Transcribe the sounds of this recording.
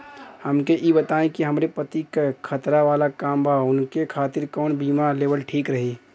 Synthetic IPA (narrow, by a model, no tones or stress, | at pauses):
həmkeʔibət̪aːẽkiɦəmɾepət̪ikkʰət̪ɾaʋaːlakaːmbʱaʊnkekʰaːt̪ɪɾkɔːnbiːmaleːbəlʈʰiːkɾəɦi